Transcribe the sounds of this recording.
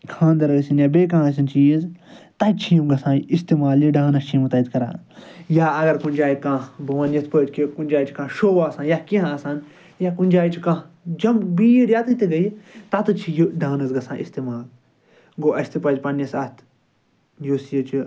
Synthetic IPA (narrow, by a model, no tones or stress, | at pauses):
kʰãːnd̪ɐɾɐsinjaːbeːkãːs̬int͡ʃiːizt̪ɐt͡ʃʰiːmɡɐsãːist̪imaːliɖãːnɐst͡ʃʰiːmt̪ɐt̪kɐɾa̰ː | jaːɐɡɐɾkunʲd͡ʒaːjikãːbɐʋanjɐt̪ʰpɐːd͡ʒkikunʲd͡ʒaːit͡ʃi̥kãːʃoːʋaːsãːnjakĩɦãːsaːn | jakunʲd͡ʒaːjit͡ʃʰikã | d͡ʒɐmbiːjɾjat̪ɨt̪iɡɐjt̪at̪ɨt͡ʃʰijuɖãːnɐsɡɐsãːʔist̪imaːl | ɡoːʔɐsʰʲt̪ɨpɐd͡ʒpɐnjɐsɐt̪ʰ | joːsjɐt͡ʃi